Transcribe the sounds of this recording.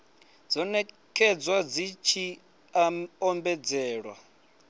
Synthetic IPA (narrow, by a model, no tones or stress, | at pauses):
d͡zɔnɛ | kʰɛd͡zwad͡zit͡ʃʰi | aɔmbɛd͡zɛːɺwa̰